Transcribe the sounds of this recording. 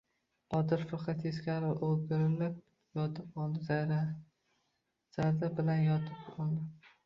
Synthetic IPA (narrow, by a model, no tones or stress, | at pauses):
ɒd̪ɪɾfɑqʰɑt̪eskʲaɾɪʔolɡʲɪɾɪlap̚ | jɒt̪ʰɪp̚qɒlˠd̪ɪza | z̥aɾd̪abɪlanjɒt̪ʰɪpɒlˠd̪ɪ